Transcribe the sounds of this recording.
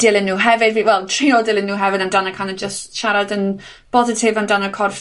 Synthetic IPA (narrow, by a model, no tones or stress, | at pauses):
d̥ɪlˠɪnːuːɦɛvɪdviwɛlˠtʰr̥iɔdɪlˠɪnːuːɦɛvɪdamdanəkʰanəd͡ʒəstʃaɾadən | b̥ɔzɪtʰɪvamdanəkʰɔrf